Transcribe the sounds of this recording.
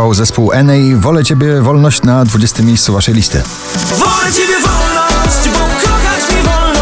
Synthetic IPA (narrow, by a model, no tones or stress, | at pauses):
awzɛspuwʔɛnɛjvɔlɛt͡ɕɛbʲjɛvɔlnɔɕt͡ɕnad̪vud͡ʑest̪ɘmʲːejst̪suvaʂɛjlʲist̪ɘ̰ | vɔlɛt͡ɕebʲjɛvɔlnɔɕt͡ɕbɔkʰɔxat͡ɕmʲivɔl